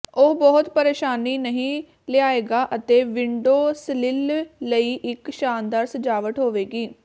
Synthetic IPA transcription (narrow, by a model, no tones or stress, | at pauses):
oːbɔɦʊt̪pəɾeːʃaːniːnəɦĩː | lɪaːeːɡaːʔət̪eːʋɪɳɖoːslɪlləiːʔɪkʃaːnd̪aːɾsəd͡ʒaːʋəʈɦoːʋeːɡiː